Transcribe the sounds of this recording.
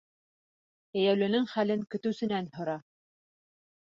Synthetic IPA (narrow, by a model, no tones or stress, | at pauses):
æjæwlɘ̆nɘŋχælɘŋkɵ̆t̪ɘ̆wsɘ̆nænhŏɾɑ